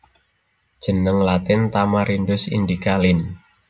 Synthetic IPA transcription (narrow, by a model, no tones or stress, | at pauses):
d̥ʒ̥ə̤nəŋlat̪ɪnt̪amaɾindʊsḭnd̪ikalɪn